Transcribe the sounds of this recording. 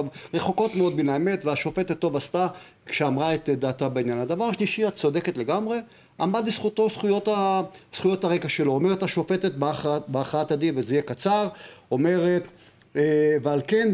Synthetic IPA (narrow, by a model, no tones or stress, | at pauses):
avʁeχo̞ko̞t̪meo̞d̪̚binaeme̞t̪veaʃo̞fet̪etːo̞vast̪a | kʃeamʁaet̪d̪aːt̪abeinjanad̪avaʁʃliʃiat̪t͡so̞d̪e̞ket̪le̞ɡamʁe̞ | ʔa̰mad̪isχut̪o̞sχujo̞t̪asχujo̞t̪aʁekaʃeloːmeʁetaʃo̞fetet̪̚baχbeaχaat̪adivezeijekat͡saʁo̞me̞ʁet̪ | vealke̞n